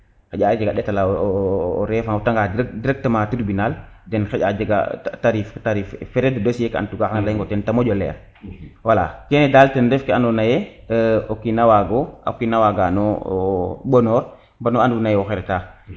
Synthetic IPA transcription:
xɛɟad͡ʒaɡaɗɛtalaː | ɾɛfaŋɔtaŋɡadɾkdiɾɛk̚tamaːtuɾbinaldɛnxɛɟad͡ʒaɡa̰taɾiftaɾiːffɛɾɛddosjeka̰ntuɡaxaŋlaŋɡɔtɛntamoɟɔlɛ̰ːɾ | wala̰kɛnedaːltɛndɛfkeanɔnaje | okinawaɡoa̰kinawaɡanɔ | ɓonɔːɾ | banoandunajɛɔxɛɾɛta

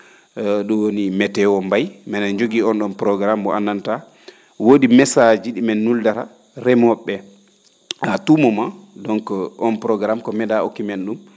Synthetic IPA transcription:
ɗɔwonimɛtɛwɔmbajmɛnaɲd͡ʒoɡiɔnɗɔnpɾɔɡɾambɔ̰ʔanːanta | wodimɛsad͡ʒiɗimɛnːuldaɾa̰ | ɾɛmɔɓːɛ | hatumɔmadɔŋkɔʔɔnpɾɔɡɾamkɔmɛdao̰kːimenɗum

